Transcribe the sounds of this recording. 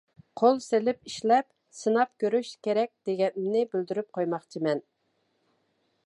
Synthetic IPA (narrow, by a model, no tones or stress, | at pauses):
qʰolˠselɪpiʃlɛp | sɨnɑp̚kʲøɾyʃkʲeɾɛk̚ʲd̪̥eɡʲɛmnɪbyld̪yɾyp̚qʰojmɑχt͡ʃʰimɛn